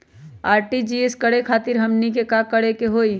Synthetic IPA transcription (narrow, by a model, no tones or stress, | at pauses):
aːɾʈid͡ʒieskəɽekʰaːt̪ɪɾɦɐmnikekakəɽekeɦoːi